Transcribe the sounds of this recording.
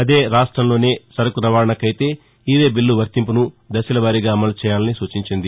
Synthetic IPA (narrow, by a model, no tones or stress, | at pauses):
ɐd̪e̞ːɾaːʂʈɾɐmlo̞ːne̞ːsɐɾɐkuɾɐʋaːɾɐɳɐkɐjit̪e̞ː | iːʋe̞ːbilːuʋɐɾt̪impunu | d̪ɐsilɐʋaːɾiɡaːɐmɐlut͡ʃɛːjaːlɐnisuːt͡ʃiɲt͡ʃind̪i